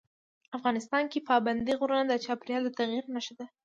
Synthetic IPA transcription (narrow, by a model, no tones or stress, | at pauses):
afɣɑnɪst̪ɑnkepɑband̪iɣoɾənad̪ət͡ʃɑpɾjɑld̪ət̪aɣjiɾnaʃd̪a